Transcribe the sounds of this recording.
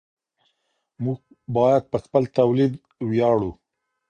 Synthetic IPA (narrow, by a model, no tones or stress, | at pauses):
muɡ̚ | bɑjad̪̚pəxpəlt̪awlid̪ | wjɑɽu